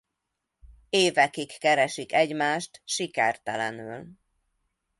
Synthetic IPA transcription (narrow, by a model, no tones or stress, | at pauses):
eːvɛkikːɛɾɛʃikɛɟmaːʃt̪ʃikɛrt̪ɛlɛnyl